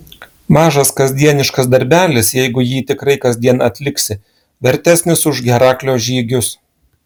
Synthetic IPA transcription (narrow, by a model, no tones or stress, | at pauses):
mɑːʒɐskɐzʲd̪ʲiɛnʲɪʃkɐsd̪ɐɾʲbʲæːlʲɪsjɛɪɡʊjiːt̪ʲɪkɾɐɪkɐzʲd̪ʲiɛnɐt̪ʲlʲɪksʲɪ | ʋʲɛɾʲt̪ʲæsʲnʲɪsʊʒɡʲɛɾɑːklʲoːʒʲiːɡʲʊs